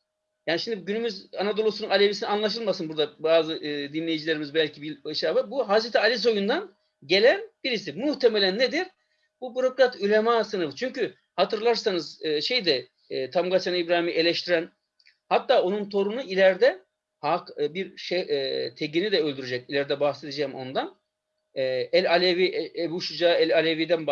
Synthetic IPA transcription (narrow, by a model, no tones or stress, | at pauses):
jaːniʃimd̪iɟynymyzanad̪o̞lˠusununalʲevisinanlˠaʃ̬ɯlˠmasɯnbuɾd̪abaːzɯd̪inlʲe̞jid͡ʒilʲeɾimizbælʲcʰibilɯʃaːbɯbuɦazɾet̪ialʲis̬o̞jund̪an | ɟe̞lʲænb̥iɾis̬imuht̪ʰe̞melʲænːed̪iɾ | bubyɾo̞kɾat̪ylʲemaːsɯnɯfɯt͡ʃʰyɲcy | hat̪ʰɯɾlˠaɾsanɯzɯːʃe̞jd̪ɛ | t̪ʰamɡasanibɾaːhimiʔe̞lʲɛʃt̪ʰiɾæn | hat̪ːaːo̞nunt̪ʰo̞ɾunuilʲæɾd̪ɛ | hakbiɾʃɛt̪ʰeɟinid̪ɛølʲd̪yɾed͡ʒɛc̚ilʲæɾd̪ɛbaxse̞d̪ed͡ʒɛmo̞̰nd̪an | ɛɛlʲalʲeviʔebuːʃud͡ʒaːɛlʲalʲevid̪ænb